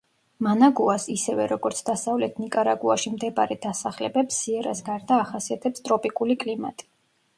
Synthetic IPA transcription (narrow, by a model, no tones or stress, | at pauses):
manaɡuasisɛvɛɾɔɡɔɾt̪sʰd̪asavlɛt̪ʰnikʼaɾaɡuaʃimd̪ɛbaɾɛd̪asaχlɛbɛpsːiɛɾasɡaɾd̪aːχasiat̪ʰɛpst̪ʼɾɔpʼikʼulikʼlima̰t̪ʼi̥